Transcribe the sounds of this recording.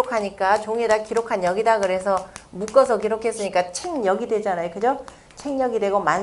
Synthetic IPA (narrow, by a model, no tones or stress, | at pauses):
okʰaɲik͈at͡ɕoŋedakiɾokʰanjʌɡidakɯɾe̞s̬ʰʌmuk͈ʌsʰʌk̬iɾokʰe̞s͈ɯɲik͈at͡ɕʰeŋjʌɡidwe̞d͡ʑanajokɯd͡ʑo | t͡ɕʰeŋɲʌɡide̞ɡoman